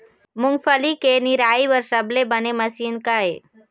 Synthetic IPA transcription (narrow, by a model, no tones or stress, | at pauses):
mʊŋɡfəlikeniɾaːiʋəɾsəblebəneməsiːnkae